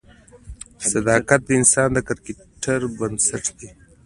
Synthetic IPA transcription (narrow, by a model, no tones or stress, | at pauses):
sad̪ɑkat̪̚d̪əɪnsɑːnd̪əkaɾke | ʈaɾbənsaʈd̪e